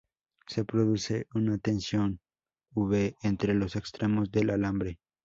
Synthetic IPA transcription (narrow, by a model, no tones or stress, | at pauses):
se̞pɾo̞ðuse̞ʔunat̪e̞nsjo̞n | uβeːnt̪ɾe̞lo̞se̞kst̪ɾe̞mo̞zðe̞lalambɾe